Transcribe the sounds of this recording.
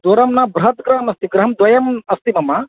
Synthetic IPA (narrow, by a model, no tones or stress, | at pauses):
d̪oːɾɐmnaːbɾɐɦɐt̪ɡɾɐɦɐmɐst̪iɡɾɐɦɐmd̪wʋɐjɐmɐst̪imɐmɐ